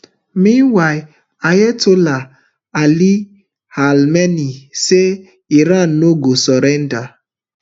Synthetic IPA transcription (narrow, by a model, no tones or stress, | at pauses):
mĩnwaɪ | ajetola | ali | halmenise | iɾan̩noɡosɔɾɛnda